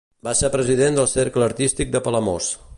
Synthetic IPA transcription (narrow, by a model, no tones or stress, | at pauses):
basepɾəziðend̪əlˠseɾkləəɾt̪ist̪ik̚d̪əpələmo̰s